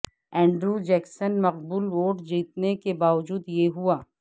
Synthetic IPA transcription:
ɛ̃ːɳɖɾud͡ʒɛːksənmɐq̚buːlʋoːʈd͡ʒiːt̪nekebaːʋəd͡ʒuːd̪jeɦuaː

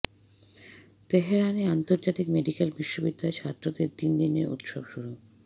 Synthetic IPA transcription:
t̪eɦeɾaneant̪oɾd͡ʑat̪ikmeɖikelbiʃːobid̪ːaet͡ɕʰat̪ːɾod̪eɾt̪ind̪ineɾṵt̪ʃobʃuɾu

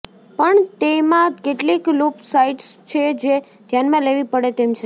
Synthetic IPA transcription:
pəɳt̪emãkeʈliklopsaiʈst͡ʃʰed͡ʒe | d̪ʱjanmãleʋipəɽet̪emt͡ʃʰe

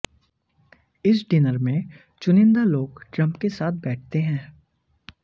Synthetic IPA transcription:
ɪs̬ɖɪnəɾmẽ | t͡ʃʊnɪ̃nd̪aloːɡʈɾɐ̃mpkesaːt̪̚ʰbɛːʈ̚ʰt̪eɦɛ̃ː

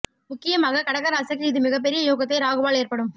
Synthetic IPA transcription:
mʊkːɪjɐmaːɣɐkɐɽɐkːɐɾaɐsɐk̬ːɪðɯmɪɣɐp̬ːɛɾɪjɐjoːɣɐt̪̬ːɐɪɾaːɣɯʋaːɭeːɾpɐɽɯm

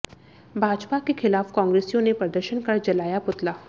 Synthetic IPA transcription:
bʱaːd͡ʒpakexɪlaːfkãːŋɡɾeːsijõnepɾɐd̪əɾʃənkɐɾd͡ʒɐlaːjapʊt̪laː

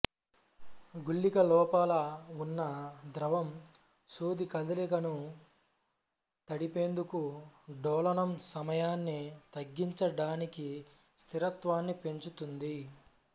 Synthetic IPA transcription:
ɡuɭːikɐlɔːpaːlɐunːɐd̪ɾɐʋɐm | suːd̪ikɐd̪ɐlikɐnu | t̪ɐɽipe̞ːnd̪ukuɖɔːlɐnɐmsɐmɐjaːnːit̪ɐɡːiɲt͡ʃɐɽaːniki | st̪ʰiɾɐt̪ʋaːnːipe̞ɲt͡ʃut̪und̪i

